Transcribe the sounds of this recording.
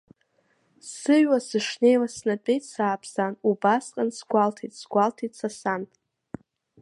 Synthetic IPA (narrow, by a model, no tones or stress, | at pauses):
sɨɥwasɨʂne̞jlasnat͡pʼejtʼsaːpʰzanubasqʼansɡʷaltʰitʼsɡʷaltʰitʼsasan